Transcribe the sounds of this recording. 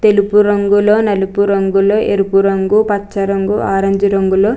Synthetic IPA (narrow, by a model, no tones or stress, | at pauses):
t̪elupuɾɐŋɡuloːnɐlupuɾɐŋɡuloːʔeɾupuɾɐŋɡupɐt͡ʃːɐɾɐŋɡuaːɾɐɲd͡ʒiɾɐŋɡuloː